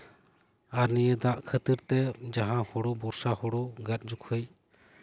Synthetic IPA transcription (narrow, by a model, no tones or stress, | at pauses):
aɾnijəd̪aʔkʰət̪iɾt̪ɛd͡ʒaɦãhɔɽɔbɔɾsahɔɽɔɡat̪̚ˀd͡ʒukʰəj